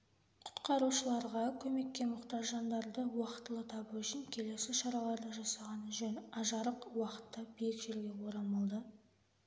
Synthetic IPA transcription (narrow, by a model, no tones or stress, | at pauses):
qʰʊ̥t̪qɑɾuʃəlˠɑɾʁɑkʲʰɵme̞kʲːe̞mʊqt̪ɑʒʒɑnd̪ɑɾd̪əwɑqə̥t̪əlˠət̪ʰɑbuʏʃɪŋkʲʰe̞le̞sɪʃɑɾɑlˠɑɾd̪əʒɑsɑʁɑnʒɵnɑʒɑɾəqwɑqə̥t̪ːɑbejɪkʒe̞ɾɡʲe̞woɾɑmɑlˠd̪ə